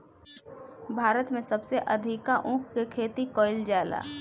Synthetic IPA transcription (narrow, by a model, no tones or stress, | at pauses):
bʱaːɾət̪mẽsəbseʔɐd̪ʱɪkaʔũːkkekʰeːt̪ikɔːɪld͡ʒaːla̰ː